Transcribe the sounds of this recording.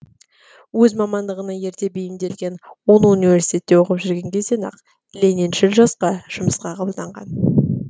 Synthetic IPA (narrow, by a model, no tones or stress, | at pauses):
wɵzmɑmɑnd̪əʁənɑje̞ɾt̪e̞bejɪnd̪e̞lɡʲe̞nwo̞nunivʲe̞ɾsi̥t̪ʲe̞t̪ːe̞wo̞qəpʒʏɪɾɡʲe̞ŋɡʲe̞zd̪enɑ̰q | lʲeninʃɪlʒɑsqɑʒ̥ʊməsqɑqʰɑbəlˠd̪ɑɴʁɑ̰n